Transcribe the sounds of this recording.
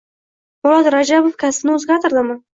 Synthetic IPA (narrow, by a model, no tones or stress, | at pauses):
mʊlˠat̪ɾad͡ʒabofkʲasnɪʊzɡʲat̪ʰɪɾd̪ɪmɪ